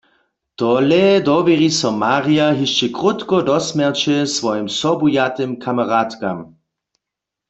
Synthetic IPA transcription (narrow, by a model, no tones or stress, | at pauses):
t̪ɔlɛd̪ɔʋɛʁisɔmaːʁiaɦiʃt͡ʃɛkʁut̪kɔd̪ɔsmɛʁt͡ʃɛsʋɔjimsɔbujat̪ɪmkʰamaʁat̪ka̰m